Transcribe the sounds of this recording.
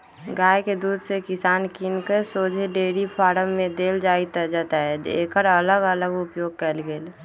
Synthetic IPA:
ɡaːjked̪uːd̪ʱsekɪsaːnkinkəsoːd͡ʒʱeɖeːɽipʰaːɾəmːẽd̪eːld͡ʒaːit̪əd͡ʒaːt̪aɦɛḛkəɾələɡələɡʊpjoːɡ̚kɛlɡeːl

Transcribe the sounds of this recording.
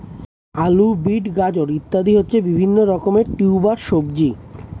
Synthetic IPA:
alubiʈɡad͡ʑoɾit̪ːad̪ʱiɦotːɕʰebibʱinːoɾɔkomeɾʈiwbaɾʃobd͡ʑi

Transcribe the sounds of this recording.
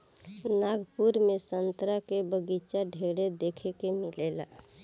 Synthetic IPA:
naɡpuɾmesənt̪ɾakebəɡit͡ʃaɖʱeɽed̪ekʰekemilela̰

